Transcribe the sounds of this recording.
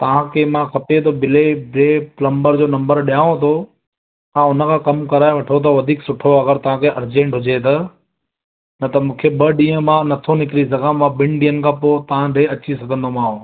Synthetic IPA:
t̪ɐʋ̤ãkʰemãkʰɐpet̪̬ʰobɪlebɪɾeplɐ̃mbəɾd͡ʑoːnɐ̃mbəɾɗijaːõt̪ʰoː | ãʊnə̆kʰãːkɐmkɐɾaːeʋɐʈʰot̪̬ɐʋɐd̪ʱiːksʊʈʰoɐɡəɾt̪ɐʋ̤ãkʰeɐɾd͡ʑẽːɳʈɦʊd͡ʑet̪ɐ | nɐt̪ɐmũːkʰebɐɗĩːə̃mãnɐt̪ʰonɪkɪɾizɐɡãmãɓɪ̃nɖĩːənɪ̆kʰãːpoːt̪ɐʋ̤ãɾeɐt͡ɕisɐɡʱə̃nd̪omãːɦõː

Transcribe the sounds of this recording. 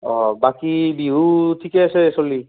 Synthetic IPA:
ɔ̃bakibiɦutʰikɛasɛsoli

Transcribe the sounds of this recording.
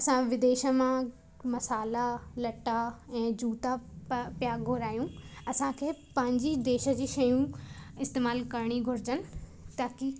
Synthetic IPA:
ɐsãʋɪd̪eːʃə̆mã | mɐsaːlalɐʈaɛ̃ːd͡ʑuːt̪apjaːɡɡʱʊɾaːjũɐsãkʰeːpɐ̃ɦɪ̃ɲd͡ʑid̪eːʃə̆d͡ʑiːʃɐjũɪst̪eːmaːlkɐɾɽ̃iɡʱʊɾɪd͡ʑənɪ̆t̪aːki

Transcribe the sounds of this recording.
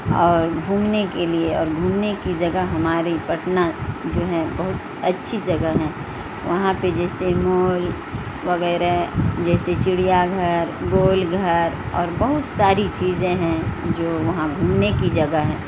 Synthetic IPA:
ɔːɾɡʱuːmnekelieɔːɾɡʱuːmnekid͡ʒɐɡəɦɐmaːɾipɐʈnad͡ʒoːɦɛbɐɦʊt̪ | ɐtːʃʰid͡ʒɐɡəɦɛ̃ː | ʋɐɦãped͡ʒɛːsemoːl | ʋɐɣɛːɾad͡ʒɛːset͡ʃɪɽijaɡʱɐɾɡoːlɡʱəɾ | ɔ̰ːɾbɐɦʊt̪saːɾit͡ʃiːzẽɦɛ̃d͡ʒoːʋɐɦãɡʱuːmnekid͡ʒɐɡəɦɛ̃ː

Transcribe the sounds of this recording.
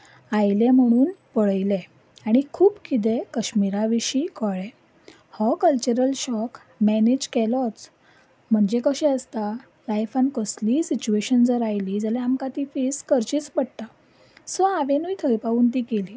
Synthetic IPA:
ajlem̤əɽ̃uːnpəɭəjle | aɽ̃ikʰuːbkit̪̬ẽkəɕmiɾaʋiɕiːkəɭe | hɔkəlt͡ɕəɾəlɕɔk | mɛned͡ʑkɛlɔt͡s | m̤əɳd͡zekəɕɛəst̪a | lajfənkəsliːsit͡ɕueɕənd͡zəɾajlid͡zəlɛamkat̪iːfeskəɾt͡ɕiːt͡spəɽt̪a | sɔaʋenujt̪ʰəjpauːnt̪̬iːkeliː

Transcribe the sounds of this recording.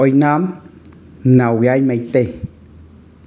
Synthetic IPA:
ojnãm | nãwwjajmẽjt̪e

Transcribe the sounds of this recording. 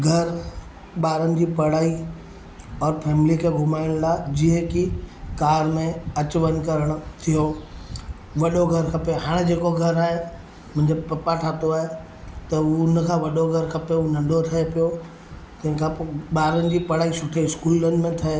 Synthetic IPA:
ɡʱɐɾ | ɓaːɾənɪ̆d͡ʑiːpɐɽ̤aːi | ɔːɾpʰɛːmlikʰeɡʱʊmaːɪɽ̃laːd͡ʑiɦə̃kikaːɾmẽɐt͡ɕʋənkɐɾəɽ̃ʊ̆t̪ʰijo | ʋɐɗoɡʱɐɾkʰɐpeɦaːɽ̃ed͡ʑeːkoɡʱɐɾaːɦe | mɐ̃ːɲd͡ʑəb̚pɐpaʈʰaːt̪oaːɦe | t̪ɐunəkʰãʋɐɗoɡʱɐɾkʰɐpeunɐ̃ɳɖʱot̪ʰɐepijo | t̪ɐ̃ɦɪ̃kʰãɓaːɾənɪ̆d͡ʑiːpɐɽ̤aːisʊʈʰeɪskuːlənɪ̆mẽt̪ʰɐe

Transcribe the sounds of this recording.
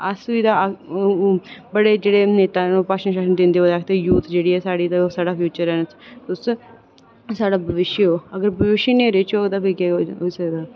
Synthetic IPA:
əsʋiːd̪aː | bəɽeːd͡ʒeːɽeːneːt̪aːnoːpaʃə̃ʃaːʃənd̪ɪ̃nd̪eːəːd̪aːkʰt̪ejuːt̪d͡ʒeːɽiːɛːsaːɽiːt̪esaːɽaːpʰjuːt͡ʃəɾɛːnət͡ʃt̪ʊs | saːɽaːbʱəʋɪʃjəɦoːəɡəɾbʱəʋɪʃjəneːɾet͡ʃoːɡd̪aːbekɛɦoisəkd̪aː

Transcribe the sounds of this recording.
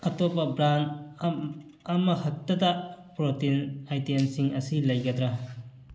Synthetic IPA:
ɐtopːɐbɾan | ɐmɐhɐk̚tɐdɐpɾotinajtensiŋɐsilɐjɡɐdɾɐ

